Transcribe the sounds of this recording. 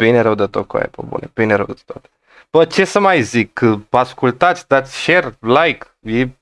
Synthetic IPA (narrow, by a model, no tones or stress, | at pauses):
b̥ineɾəwd̪ət̪oko̰ḛpo̰bṵneb̥ineɾəwd̪ə̥t̪ot̪e̥ | b̥ət͡ʃe̞səmajzikːaskult̪at̪sʲd̪at̪sʲʃerlajk | je